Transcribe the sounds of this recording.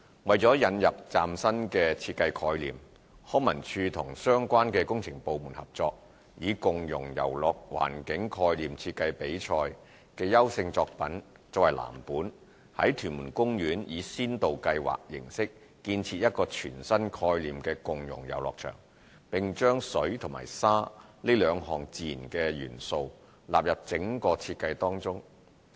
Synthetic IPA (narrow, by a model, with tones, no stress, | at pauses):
wɐ˨jt͡sɔː˨˥jɐ˨˧njɐ˨p̚t͡saː˨msɐ˥nkɛː˧t͡sʰiː˧t̚kɐ˧jkʰɔː˧jlḭː˨m | hɔː˨˥mɐ˨˩nt͡ʃʰyː˧t̪ʰʊ˨˩ŋsœː˥ŋkʷwaː˥nkɛː˧kʊ˥ŋt͡sʰɪ˨˩ŋpo˨wmuː˨˩nhɐ˨p̚t͡sɔː˧k̚ | jiː˨˧kʊ˨ŋjʊ˨˩ŋjɐ̰˨˩wlɔː˨k̚wa̰ː˨˩nkɪ˨˥ŋkʰɔː˧jliː˨mt͡sʰi˧t̚kɐ˧jpe˨˥jt͡ʃʰɔː˧j | kɛː˧jɐ˥wsɪ˧ŋt͡sɔː˧k̚pɐ˨˥n | t͡sɐ˨whɐ˨jlʔa̰ː˨˩mpuː˨˥n | hɐ̰˨˥jt̪ʰyː˨˩nmuː˨˩nkʊ˥ŋjyː˨˥njiː˨˧siː˥nt̪o˨wkɐ˧jwa̰ː˨k̚jɪ˨˩ŋsɪ˥k̚ː | iː˧nt͡sʰiː˧t̚jɐ˥t̚kɔː˧t͡ʃʰyː˨˩nsɐ˥nkʰɔː˧jliː˨mkɛː˧kʊ˨ŋjʊ̰˨˩ŋjɐ̰˨˩wlɔː˨k̚t͡ʃʰœ̰ː˨˩ŋ | pɪ˨ŋt͡ʃœː˥ŋsɵ˨˥ɥt̪ʰʊ˨˩ma̰ː˨˩jsaː˥liː˥lœː˨˧ŋɦɔː˨˩ŋt͡siː˨nkɛː˧jyː˨˩nso˧w | laː˨p̚jɐ˨p̚t͡sɪ˨˥ŋkɔː˧t͡sʰiː˧t̚kːɐ˧jt̪ɔː˥ŋt͡sʊ˥ŋ